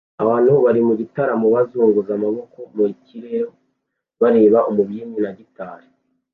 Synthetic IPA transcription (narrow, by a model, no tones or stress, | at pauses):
aβaːnhuβaɾimuɟitaɾamoβazuːŋɡuzamaβo̞ko̞muiciɾeɾo | βaɾe̞ːβaʔomuβjiɲinaɟitaːɾi